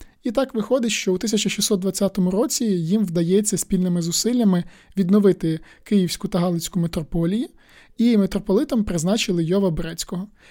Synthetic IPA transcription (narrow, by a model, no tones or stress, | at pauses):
it̪ɑkʋɪxɔd̪ɪʃt͡ʃɔut̪ɪsʲɐt͡ʃɐʃʲisɔt̪d̪ʋɐt͡sʲːat̪ɔmʊɾɔt͡sʲijimwd̪ɐjɛt͡sʲːɐsʲpʲilʲnɪmɪzʊsɪlʲːɐmɪʋʲid̪nɔʋɪt̪ɪ | kɪjiwsʲkʊt̪ɐɦɑlˠɪsʲkʊmet̪ɾɔpɔlʲijʊ | imet̪ɾɔpɔlˠɪt̪ɐmpɾɪznɑt͡ʃɪlˠɪjɔʋɐbɾɛt͡sʲkɔɦɔ